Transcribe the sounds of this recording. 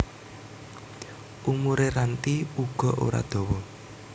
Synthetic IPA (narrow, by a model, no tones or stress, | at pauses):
ʔumuɾeɾant̪iuɡ̥ɔ̤ʔo̰ɾa̰d̪̥ɔ̤wɔ